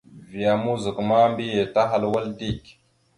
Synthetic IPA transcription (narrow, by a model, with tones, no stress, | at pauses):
vi˨a˨mu˦zi˨kma˦mbi˦je˨ta˦ɦa˨lwa˦ldi˦kʲ